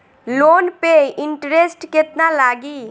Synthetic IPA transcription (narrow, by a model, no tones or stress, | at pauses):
loːnpeɪɳʈɾesʈket̪nalaːɡiː